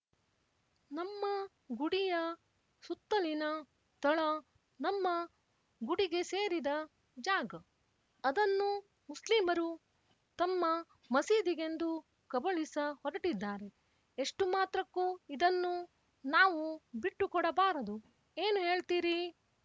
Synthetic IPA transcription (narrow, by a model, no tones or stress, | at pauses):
nɐmːɐ | ɡuɽijɐ | sut̪ːɐlinɐ | t̪ɐɭɐ | nɐmːɐ | ɡuɽiɡe̞se̞ːɾid̪ɐ | d͡ʒaːɡɐː | d̪ɐnːu | muslimɐɾu | t̪ɐmːɐ | mɐsiːd̪iɡe̞nd̪u | kɐbɐɭisɐhɔɾɐʈid̪ːaːɾe̞ | eʂʈumaːt̪ɾɐkːuːid̪ɐnːu | naːʋubiʈːukɔɽɐbaːɾɐd̪u | e̞ːnuɦe̞ːɭt̪iːɾi